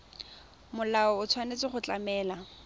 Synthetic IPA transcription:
mʊlaɔʊt͡sʰwanet͡sɪχʊt͡ɬamɛːla

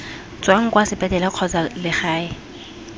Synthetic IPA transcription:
t͡sʼwaŋ̩kwasɪpʼɛtɛlɛq͡χʰɔt͡salɪχaːɪ

